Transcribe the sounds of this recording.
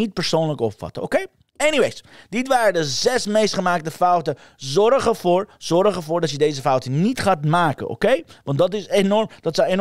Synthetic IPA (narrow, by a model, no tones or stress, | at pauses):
it̚pəɹsownləkɔpfɑ̰təo̰kej | eniʋejsdɪtʋaːɾədəzɛsmejstχəmaːk̚təfʌwtə | zɔrχəvʊːɹz̥ɔrχəvʊːɹdɑtjədejzəfʌwtənitχaːtmaːkə̰ʔo̰kejʋɑndɑtɪsenɔrmd̥ɑtsəjen